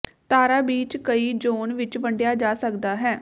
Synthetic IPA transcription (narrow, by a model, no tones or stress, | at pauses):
t̪aːɾaːbiːt͡ʃkəiːd͡ʒoːnʋɪt͡ʃʋəɳɖjaːd͡ʒaːsəkd̪aːɦɛː